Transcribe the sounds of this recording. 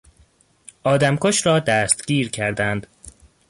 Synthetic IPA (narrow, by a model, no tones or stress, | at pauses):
ʔɒːd̪æmkʰoʃɾɒːd̪æːst̪ɟ̥iːɾcʰæɾd̪ænd̪